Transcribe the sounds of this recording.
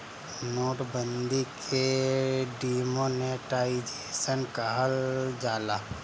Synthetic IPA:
noːʈbənd̪ikʰe | ɖimoneʈaid͡ʒesənkəɦəld͡ʒaːla

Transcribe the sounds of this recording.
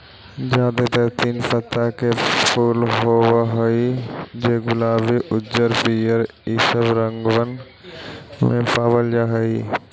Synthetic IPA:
d͡ʒaːd̪et̪ɐt̪iːnfɐt̪akʰepʰuːlɦoʋaɦoid͡ʑeːɡʊlaːbiʔʊd͡ʒəɾpiːjəɾ | iːsəbɾɐ̃ŋɡʋən | mḛ̃paːʋəld͡ʒaːɦoi

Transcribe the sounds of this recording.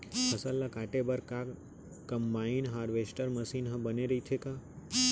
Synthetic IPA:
pʰəsəlːakaːʈebəɾka | kəmbainɦaːɾʋesʈəɾməsiːnɦə̃bəneɾəɦit̪ʰeka

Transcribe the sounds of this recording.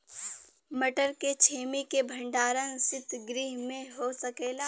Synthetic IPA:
mɐʈəɾket͡ʃʰeːmikebʱə̃ɳɖaːɾə̃sɪt̪ɡɾiːɦmẽɦosɐkeːlaː

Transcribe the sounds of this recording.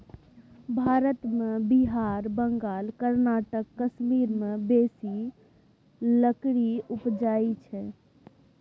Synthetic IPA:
bʱaɾət̪mebiɦaɾbəŋɡalkəɾnaʈəkːəsmiɾmebesi | ləkɽiupd͡ʒait͡ʃʰɛ

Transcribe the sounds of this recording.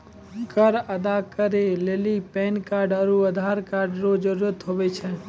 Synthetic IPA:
kəɾəd̪akəɾeleːlipɛnkaːɾɖəɾuəd̪ʱaɾkaːɾɖɾod͡ʒəɾuɾət̪ɦobɛt͡ʃʰɛ

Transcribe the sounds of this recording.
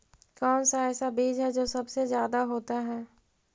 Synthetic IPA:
kɔːnsaɛːsabiːd͡ʒɦɛd͡ʒoːsɐbsezjaːd̪aɦoːt̪aɦɛː

